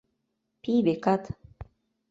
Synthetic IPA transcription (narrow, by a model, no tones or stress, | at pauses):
pibekat̪